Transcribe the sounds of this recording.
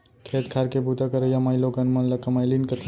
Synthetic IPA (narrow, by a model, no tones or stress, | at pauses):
kʰet̪kʰaɾkebʱut̪akəɾəjamajlokənmɐnləkːɐmajlinkət̪ʰ